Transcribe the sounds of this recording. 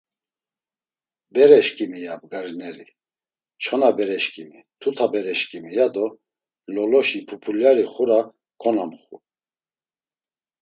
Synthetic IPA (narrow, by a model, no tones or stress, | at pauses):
bɛɾɛʃkʼimijab̚ɡaɾinɛɾi | t͡ʃʰɔnabɛɾɛʃkʼimit̪ʰut̪ʰabɛɾɛʃkʼimijad̪ɔ | lɔlɔʃipʰupʰuljaɾiχuɾa | kʰɔnamχṵ